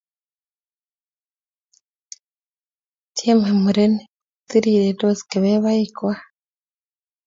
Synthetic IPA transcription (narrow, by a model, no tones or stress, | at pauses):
cʰemhemuɾene | t͡siɾiːɾedosi̥keβeβaikwa